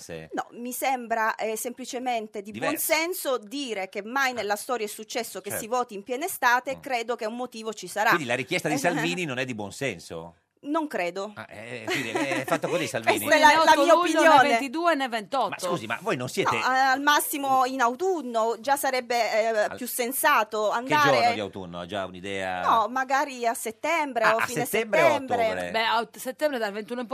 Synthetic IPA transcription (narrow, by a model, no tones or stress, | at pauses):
ḭnɔ̰misembɾaʔɛsemplit͡ʃement̪ed̪ibd̪wɔnsɛnsod̪iːɾekemːajnelːast̪ɔːɾjaɛsːut͡ʃːɛsːokesːivɔːt̪iːmpjɛːnest̪aːt̪ekɾeːd̪okeumːot̪iːvot͡ʃisaɾaind̪ilaɾikjɛst̪ad̪isalviːninonɛd̪ːibwɔ̰nsɛ̰nso̰ | noŋkɾeːd̪oma̰ɛdiːɾeɛffat̪ːokozisalvweisnt̪ɛlalamiːaopinnjoːnveet̪id̪uːenevent̪ɔt̪maskuːzima̰vojnonsjɛːneaalmasːimoinawt̪unːod͡ʒasːaɾɛbːepjusːensaːt̪oand̪aːd͡ʒoɾerod̪ia̰wt̪ṵnːo̰a̰d͡ʒa̰ṵnid̪ɛ̰ːa̰nɔmaɡaːɾiasːet̪ːɛmbɾeoafiːneseɛtmbɾeɛmb̪ɾeɾḛbɛaset̪ːɛmbɾed̪alvent̪uːnoimp